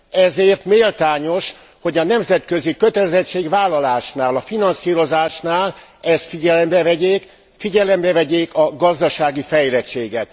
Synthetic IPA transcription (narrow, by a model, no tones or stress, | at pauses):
ɛzeːrt̪meːlt̪aːɲo̞ʃ | ho̞ɟɒnɛmzɛt̪køzikøt̪ɛlɛzɛt͡ʃːeːɡvaːlːɒlaːʃnaːlɒfinɒnsiːɾo̞zaːʃnaːl | ɛst̪fiɟɛlɛmbɛvɛɟeːk | fiɟɛlɛmbɛvɛɟeːkɒɡɒzd̪ɒʃaːɡifɛjlɛt͡ʃːeːɡɛt̪